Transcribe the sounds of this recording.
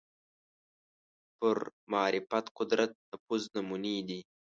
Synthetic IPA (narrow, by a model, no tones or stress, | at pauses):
pʊɾmaːɾɪfɐt̪qʊd̪ɾat̪̚d̪əpuznɐmuniːd̪i